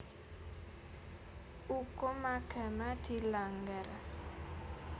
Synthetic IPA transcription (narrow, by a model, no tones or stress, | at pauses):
ukɔmakʰɛmat̪ʰilaŋɡɛɾa